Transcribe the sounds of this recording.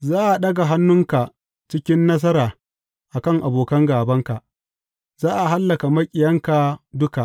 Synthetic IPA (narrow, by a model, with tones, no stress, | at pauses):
zaː˦ʔa˨ɗɐ˦ɡa˨ɦa˦nːʊ˦ŋka˨ | t͡ʃɪ˦kʲɪ˦nːɐ˦s̬ɐ˦ɾaː˨ | ʔa˨kɐ˦ŋʔa˨boː˨kɐ˦ŋɡaː˨bɐ˦ŋka˨ | zaː˦ʔa˨ɦa˦lːɐ˨ka˨mɐ˦kʲʼɪ˨jɐ˦ŋka˨dʊ˦ka˨ʔ